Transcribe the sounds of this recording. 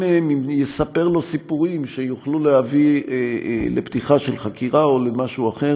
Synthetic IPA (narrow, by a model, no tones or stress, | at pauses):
meemimjesape̞ʁlo̞sipuʁimʃejuχlulehavi | lebt̪iχaʃe̞lχakiʁao̞lemaʃuaχe̞